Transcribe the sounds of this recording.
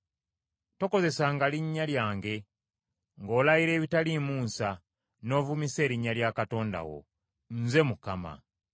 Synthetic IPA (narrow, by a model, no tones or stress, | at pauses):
to̞ko̞ze̞saːŋɡaliɲːaljaːŋɡe̞ | ŋɡo̞ːlajiɾe̞ːβitalimuːnsa | no̞ːvumise̞ːɾiɲːaljakato̞ːnda̰wo̞̰ | nze̞mukama̰